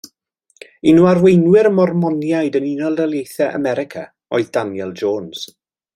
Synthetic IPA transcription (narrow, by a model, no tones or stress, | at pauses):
inuːarwejnwɪɾəmɔrmɔnjajdəninɔlˠdəlˠjejθɛʔə̰mɛɾɪkʰa̰ | ɔɨðdanjɛlˠd͡ʒoːnz̥